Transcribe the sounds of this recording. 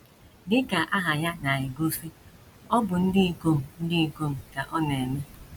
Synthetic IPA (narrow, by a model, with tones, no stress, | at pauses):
dɪ˦ka˨ʔa˦ɦa˨ja˦na˨ɪ˨ɡo˦si˦ | ɔ˦bʊ˨n̩˦dɪ˦i˨ko˦m̩˨n̩˦dɪ˦i˨ko˦m̩˨ka˨ʔɔ˦ne˨mɪ˦